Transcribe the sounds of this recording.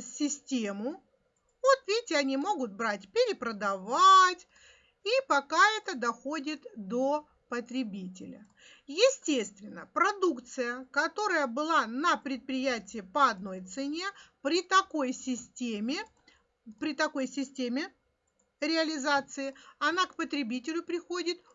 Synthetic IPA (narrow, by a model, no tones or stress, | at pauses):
sʲɪsʲtʲemʊ | vot̪vʲetʲɪɐnʲimo̞ɡʊt̪̚bɾatʲpʲɪɾʲɪpɾəd̪ɐvatʲ | ipɐkaɛt̪əd̪ɐxo̞dʲɪt̪d̪o̞ | pət̪ɾʲɪbʲitʲɪlʲə̰ | jɪsʲtʲest̪vʲɪnːəpɾɐd̪ukt̪sɨjəkɐt̪o̞ɾəjəbɨlˠanəpɾʲɪt̪̚pɾʲɪjætʲɪːpəɐd̪no̞jt̪sɨnʲe̞pɾʲɪt̪ɐko̞jsʲɪsʲtʲemʲɪ | pɾʲɪt̪ɐko̞jsʲɪsʲtʲemʲɪ | ɾʲɪɐlʲɪzat̪sɨɪɐnakpət̪ɾʲɪbʲitʲɪlʲʊpɾʲɪxo̞dʲɪt̪